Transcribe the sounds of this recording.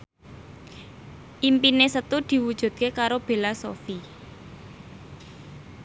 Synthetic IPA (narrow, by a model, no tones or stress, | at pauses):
ʔimpinesət̪ud̪̥i̤wud̥ʒ̥ṳd̪̥̚kekaɾob̥e̤lasofi